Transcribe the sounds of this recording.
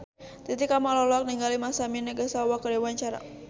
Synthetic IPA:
t̪it̪ikamalɔlɔak̚niŋɡalimasaminəɡəsawakədɛwaɲt͡ʃaɾa̰

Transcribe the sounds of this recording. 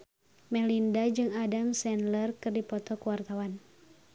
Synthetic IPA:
mɛlindad͡ʒɨŋadamsɛnlərkɨrdipɔt̪ɔkuwart̪awan

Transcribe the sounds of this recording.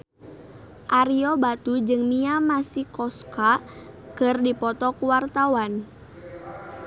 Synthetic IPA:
ʔaɾiɔbat̪ud͡ʒɨŋmiamasikɔskakɨrdipɔt̪ɔkuwart̪awan

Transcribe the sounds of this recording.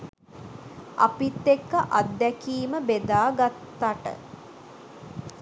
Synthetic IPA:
a̰pit̪ːekːəʔad̪ːɛkiːməbed̪aːɡat̪ːaʈə̰

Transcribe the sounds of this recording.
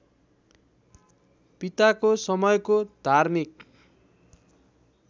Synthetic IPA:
pit̪akosʌmʌjkod̪ʱarmik

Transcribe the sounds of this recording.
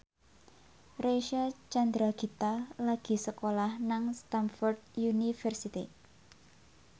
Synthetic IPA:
reʃat͡ʃand̪ɾaɡ̥i̤t̪alaɡ̥i̤səkolahnaŋst̪anfɔrd̪̚junifɛrsit̪i

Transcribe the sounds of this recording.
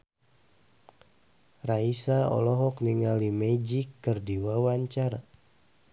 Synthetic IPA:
raisaɔ̰lɔɦɔkniŋalimed͡ʒikːɨrdiwawaɲt͡ʃaɾa

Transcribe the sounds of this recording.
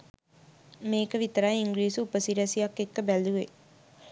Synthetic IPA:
meːkəʋit̪əɾajiŋɡɾiːsuupəsiɾæsijakːekːəbæluʋe

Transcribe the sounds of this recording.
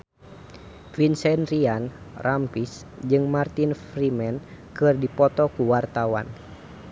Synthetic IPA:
vinsɛnrianrampis | d͡ʒɨŋmart̪infɾimɛnkɨrdipɔt̪ɔkuwart̪awa̰n

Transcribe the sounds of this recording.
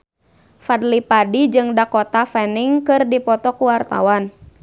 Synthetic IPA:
fadlipadid͡ʒɨŋdakɔt̪afɛniŋkɨrdipɔt̪ɔkuwart̪a̰wan

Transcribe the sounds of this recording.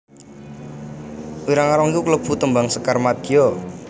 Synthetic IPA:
wiɾaŋaɾɔŋikukləb̥ṳt̪əmbaŋsəkarmad̪̥ijɔ

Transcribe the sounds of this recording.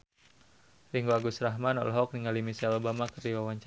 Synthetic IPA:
riŋɡuaɡusɾaɦmanɔ̰lɦɔk̚niŋalimisaɛlobamakərdiwawaɲt͡ʃ

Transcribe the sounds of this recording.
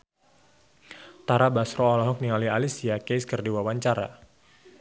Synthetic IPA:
t̪aɾabasɾɔːlɔɦɔk̚niŋalialisiakeskərdiwawaɲt͡ʃaɾa̰

